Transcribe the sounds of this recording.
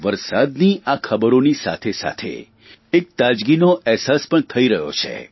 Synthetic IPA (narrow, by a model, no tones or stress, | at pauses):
ʋəɾsad̪niʔakʰəbəɾonisa̰t̪ʰesa̰t̪ʰḛ | ek̚t̪ad͡ʒɡinoʔɛɦsaspəɳt̪ʰəiɾəɦjo̰t͡ʃʰḛ